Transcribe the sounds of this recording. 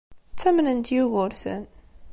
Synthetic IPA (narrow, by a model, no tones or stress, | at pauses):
t͡sːæmnənt̪juɣʊɾθə̰n